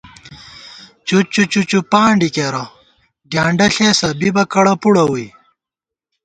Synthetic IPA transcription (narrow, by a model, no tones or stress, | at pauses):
t͡ɕut͡ɕut͡ɕut͡ɕupaːɳɖikeɾɐ | ɡjaːɳɖɐɬeːsɐbibɐkɐɽɐpuɽɐwui